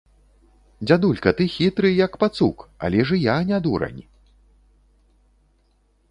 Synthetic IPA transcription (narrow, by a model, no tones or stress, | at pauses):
d͡zʲad̪ulʲkɐt̪ɨxʲit̪ɾɨjɐkpat̪suka̰lʲɛʐɨjanʲad̪uɾɐ̰nʲi